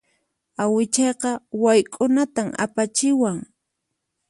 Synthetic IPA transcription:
awɪt͡ʃɑjqɑwajkʼʊnat̪ama̰pat͡ʃɪwaŋ

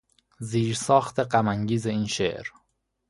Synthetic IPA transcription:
ziːɾsɒːxt̪ʰe̞ɢæmæŋɟiːzeiːnʃḛʔɾ

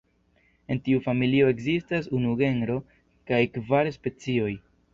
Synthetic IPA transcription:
e̞ntiufamilio̞e̞kzistasunuɡe̞nɾo̞ | kajkvaɾspe̞t͡sio̞j

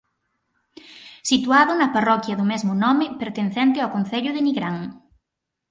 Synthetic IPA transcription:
sit̪uaðʊnɐparɔkjɐðʊmezmʊnɔmɪpeɾt̪enθɛnt̪ɪawkonθeʎʊðɪniɣɾaŋ

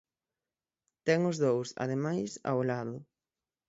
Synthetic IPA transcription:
t̪ɛŋʊzðowsa̰ðemajsa̰wlaðʊ

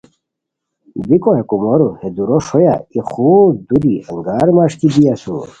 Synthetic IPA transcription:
bikoɦekumoɾuhed̪uɾoʂoja̰ixud̪uɾiɐŋɡaːɾmaʂkid̪ijasṵ

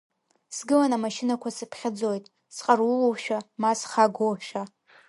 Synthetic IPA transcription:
sɡɨlanamaʃɪnakʷasɨpʰχʲad͡zojtʼ | sqʼarwuwowʃᶣamasχaɡʷoʃᶣa

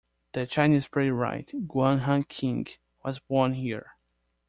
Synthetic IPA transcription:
ð̥ɨt͡ʃaɪnizpɹeɪɹa̰ɪtɡwãnɦãnkʰɪ̃ŋɡ | wʌzbɔɹnhiɹ

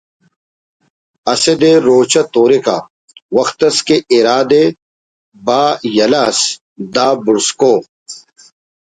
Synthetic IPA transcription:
ɐsed̪eɾoːt͡ɕɐt̪oːɾeka̰ | wɐxt̪ɐskeʔiɾaːd̪e | baːjɐlas | d̪aːbuɾskoː

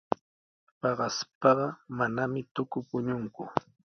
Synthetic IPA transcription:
pɑɢɑspɑɢɑmanamɪt̪ʊkʊpʊɲʊŋkʊ̰

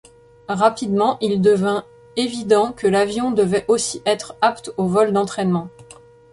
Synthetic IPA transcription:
ʁapid̪mɑ̃ʔild̪əvɛ̃ | evid̪ɑ̃kəlavjɔ̃d̪əvɛʔosiʔɛt̪χapt̪ovɔld̪ɑ̃t̪χɛnmɑ̃

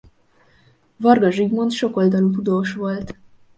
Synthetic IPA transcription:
vɒrɡɒʒiɡmo̞nt̪ʃo̞ko̞ld̪ɒlut̪ud̪oːʃʋo̞lt̪

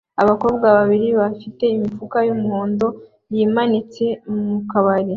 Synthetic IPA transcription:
aβako̞ːbɡaβaβiɾiβafite̞imifukajumhoːndo̞ | jiːmanit͡se̞mmukaβaɾi

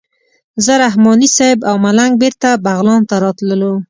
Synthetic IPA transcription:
zəɾaɦmɔnisɑɪbawmalaŋɡ̚beɾt̪abaɣlɑnt̪aɾɑt̪ləlo

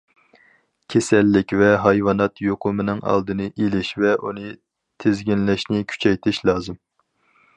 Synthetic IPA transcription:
kʲʰesɛlːɪkʲvɛɦɑjwɑnɑt̪ʰjoqʰʊmɨnɨŋɑ̰lˠd̪ɨnɨʔelɪʃvɛʔunɨ | t̪ʰɪzɡʲinlɛʃnɪkʲʰy̥t͡ʃʰɛjt̪ʰɪʃlˠɑːzɨm

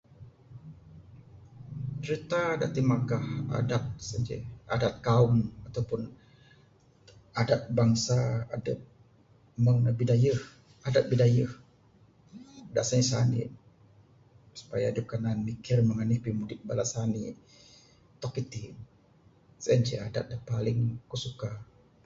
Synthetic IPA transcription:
t͡ʃɾit̪ada̰ʔt̪imaɡaha̰dat̪̚səd͡ʒḛa̰dat̪̚kaʊmat̪awpʊn | adat̪̚baŋsa̰ːdəp̚ | məŋəbidajəh | adap̪̚bidajəh | adaʔsanisanḭ | su̥pajaːdəp̚kananmikɪrməŋanihpimudɪt̪̚balasani | t̪ɔkːit̪i | sənd͡ʒɛ̰adat̪̚dapalɪŋkusuka

